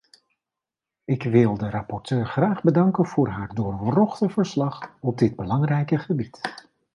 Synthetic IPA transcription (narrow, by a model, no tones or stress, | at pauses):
ɪkʋɪlˠdərɑpɔɹtøːɹχraːχbədɑŋkənv̥ʊːɹɦaːɹdʊːɹrɔχtəvəɹslɑχɔb̚dɪd̚bəlɑŋrɛjkəχəbit